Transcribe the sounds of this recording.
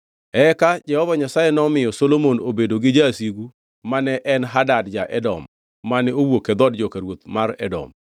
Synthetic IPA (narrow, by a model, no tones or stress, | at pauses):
ɛkad͡ʒɛhɔvaɲasajenɔmɪjɔsolomonobedoɡɪd͡ʒasiɡu | manɛʔɛnɦadadd͡ʒaʔɛdɔ̰mː | anɪowoked̪ɔdd͡ʒɔkaɾwot̪maɾɛ̰dɔ̰m